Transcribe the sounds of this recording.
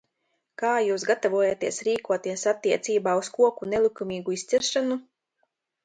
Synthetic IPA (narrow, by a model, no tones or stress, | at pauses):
kaːjuːsɡat̪avuɔjat̪iɛsɾiːkuɔt̪iɛsat̪ːiɛt̪siːbaːuskuɔkunelˠikumʲiːɡuist̪siɾʃanu